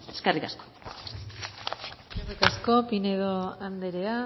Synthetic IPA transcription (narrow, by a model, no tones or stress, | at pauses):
eskarikasko̥ | karikasko̞pine̞ðo̞and̪e̞ɾea